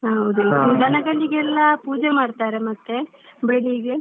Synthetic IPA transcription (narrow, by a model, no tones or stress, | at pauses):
ɦɐwd̪uɡ̪ʱɐnɐɡɐɭːiɡɛlːɐpuːd͡ʒemaːɖt̪aːɾemɐt̪ːe̞ | beɭiɡe